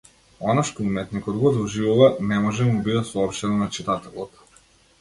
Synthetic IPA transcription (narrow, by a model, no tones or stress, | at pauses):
ɔnaʃt̪ɔumɛt̪nikɔd̪ɡɔd̪ɔʒivuvanɛmɔʒɛmubid̪ɛsɔɔpʃt̪ɛnɔnat͡ʃit̪at̪ɛlˠɔt̪